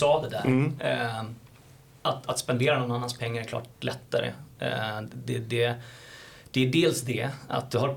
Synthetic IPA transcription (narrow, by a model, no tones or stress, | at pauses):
ɑːd̪ɛd̪æ̰ːɾ | ʔat̪at̪spɛnd̪eːɾanɔnːanːanspʰɛŋːaɾɛklɑ̰ːʈlʔɛt̪ːa̰ɾə̰ | d̪ɛd̪ɛ | d̪̥ɛæɖeːlsd̪ɛa̰t̪̚d̪ɵɦa